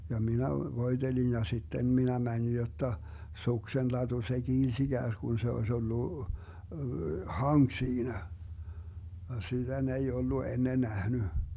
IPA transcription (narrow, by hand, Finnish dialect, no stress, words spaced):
jɑ minæ ʋoi̯d̥elin jɑ sitːen minæ mænin jotːɑ suksenlɑtu se kiːls iɡ̊æːsɡ̊un se oes olːu hɑŋk siːnæ jɑ sitæ ne ei olːu enːe næhny